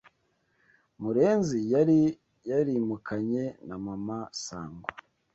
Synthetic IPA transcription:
muɾe̞ːnzijaɾi | jaɾimukʰaɲe̞namamasa̰ːŋɡo

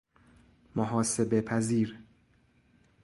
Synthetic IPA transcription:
moɦɒːse̞be̞pʰæziːɾ

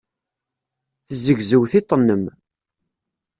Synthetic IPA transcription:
θəzəɡzəwθit̪ˤːənːəm

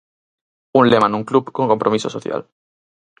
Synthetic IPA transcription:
unlemãnũŋklupkoŋkompɾomisosoθja̰l

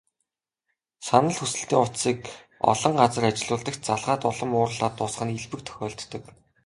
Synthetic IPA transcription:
sanə̆ɮxʰusɘ̆ɬt̪iːŋʊt̪siːkɔ̰ɮɞ̆ɴɢat͡sə̆rat͡ɕɪ̆ɮʊːɮt̪ə̆kt͡ɕ̚t͡saɮʁaːt̪ʊɮɞ̆mʊːrɮaːt̪ːʊsχə̆niɮpɘ̆k̚t̪ʰœ̥xʲɔːɮt̪ːɵ̆k

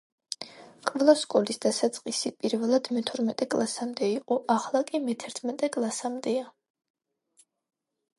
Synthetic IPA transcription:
kʼvlˠaskʼɔlisd̪asat̪sʼqʼisipʼiɾvɛlˠad̪̥mɛt̪ʰɔɾmɛt̪ʼɛkʼlˠasamd̪ɛiqʼɔʔaχlˠakʼimɛt̪ʰɛɾt̪ʰmɛt̪ʼɛkʼlˠasamd̪ɛa

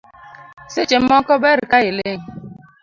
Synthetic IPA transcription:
set͡ʃem̩mɔkɔbeɾikaɣileŋ̩

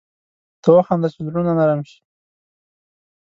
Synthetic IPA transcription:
t̪əwaxɑnd̪at͡ʃezɾunanaɾamʃi̥

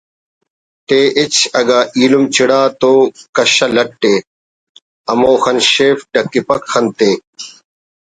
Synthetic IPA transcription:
t̪eːʔit͡ɕɐɡaːʔiːlumt͡ɕiɽaːt̪oːkɐɕɐlɐʈʈːeː | ɐmoːxɐnɕeːfɖɐkːipɐkxɐnt̪eː

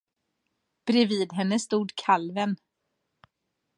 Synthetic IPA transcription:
b̥ɾɛviːd̪ɦɛnːəst̪uːd̪kʰalvən

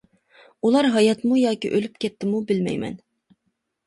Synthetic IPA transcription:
ulˠɑɾɦɑjɑt̪mujɑːkʲiʔølyp̚kʲʰɛt̪ʰːɪmubɪlmɛ̰jmɛ̰n

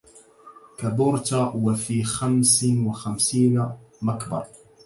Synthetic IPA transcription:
kabʊɾt̪awafiːxamsnwaxamsiːnamakbɑ̰ɾˤ

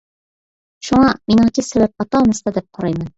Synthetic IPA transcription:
ʃuɴɑminɑt̪isæβæp̚ɑt̪ɑnɤst̪ɑd̪ip̚qʰɑɾɑjmɤn

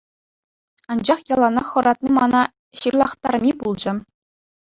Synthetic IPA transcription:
ɑnd͡ʑɑχjɑlˠɑnɑχɤ̆ɾɑt̪nʲimɑnɑ | ɕirlˠɑχt̪ɑrmʲibulˠd͡ʑɘ̆

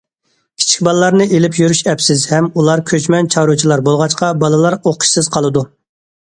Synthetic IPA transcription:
kʲʰi̥t͡ʃʰi̥kʲbɑlˠlˠɑɾnɨʔelɪpjyɾyʃɛpsɪzhɛmulˠɑɾkʲʰøt͡ʃmɛnt͡ʃʰɑɾut͡ʃʰilˠɑɾbolˠʁɑt͡ʃqɑbɑlˠɨlˠɑɾoqʰʊ̥ʃsɨz̥qʰɑlˠɨd̪u

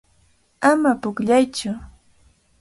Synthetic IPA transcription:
amapʊkʎajt͡ʃʊ

